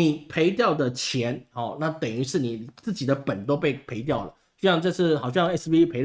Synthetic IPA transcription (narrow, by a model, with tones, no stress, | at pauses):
ni˨˩pʰe˧˥ɪt̪̬jɑ˥˩ʊd̪ə˨t͡ɕʰjɛ˧˥nhɔ˥˩na˥˨t̪ə˨˩ŋy˧˥ʂɻ̩˥˩ni˨˩t͡sɹ̩˥˩t͡ɕi˨˩d̪ə˦pə˨˩nt̪o˥ʊpe˥˩ɪpʰe˧˥ɪt̪jɑ˥˩ʊlə̰˩ | ɕy˥˧ɕɑ˥˧ŋʈ͡ʂɤ˥˧t͡s̩ʰ˥˩xɑ˨˩ʊɕjɑ˥ŋɛ˥sbi˦˥pʰe˧˥ɪ